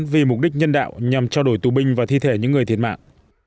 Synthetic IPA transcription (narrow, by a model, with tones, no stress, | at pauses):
nvi˨˩mʊ˨˩k͡p̚ɗï˦˥k̟̚ɲə˧nɗa̰ː˧˨wɲa˨˩mt͡ɕɔ˧ɗo˧˩jt̪u˨˩ɓï˧ŋ̟vaː˨˩t̪ʰi˧t̪ʰe˧˩ɲɨ̰˧˥ŋːɨ˨˩ət̪ʰi˨˩ət̚ma̰ː˧˨ʔ